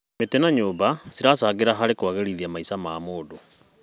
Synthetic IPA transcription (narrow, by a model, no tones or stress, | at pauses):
metɛnaɲoːbasiɾasaːɣeɾaɦaɾekwaɣeɾiðiamaisamaːmoːdo